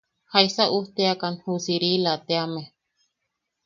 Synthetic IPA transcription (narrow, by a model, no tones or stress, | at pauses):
haisaʔuht̪eakanhusiɾilat̪eame